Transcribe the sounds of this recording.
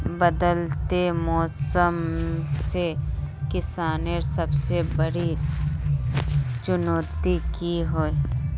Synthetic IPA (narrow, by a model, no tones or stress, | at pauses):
bəd̪əlt̪emɔːsəmsekɪsaːneɾsɐbsebɐɽi | t͡ʃʊnoːt̪ikiɦoːe